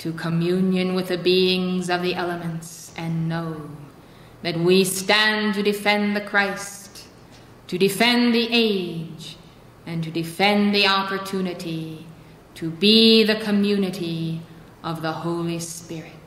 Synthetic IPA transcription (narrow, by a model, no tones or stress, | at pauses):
tʰɨkʰəmjʉ̃njɨ̃nwɨðɨbiɪ̃ŋzʌvðiʔɛlˠəmɨ̃ntsʔɨ̃nːoʊ | ðɨt̚wistæ̃ntɨdɨfɛ̃nðɨkʰɹ̥aɪst | tʰɨdɨfɛ̃nðiʔeɪd͡ʒ | ɨ̃ntɨdɨfɛ̃nðiɑpə˞tʰʉnɨɾi | ɾʰɨbiðɨkʰɨmjʉnɨɾi | ʔʌvðəhoʊlˠispɪɹɪt̚